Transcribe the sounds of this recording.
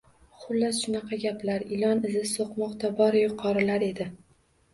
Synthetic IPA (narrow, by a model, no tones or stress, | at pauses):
χʊlːasʃʊnɑqʰɑɡʲaplaɾɪlɒnɪzɪzsoqmɒqt̪ʰabɒɾjʊqʰɒɾɪlaɾe̞d̪ɪ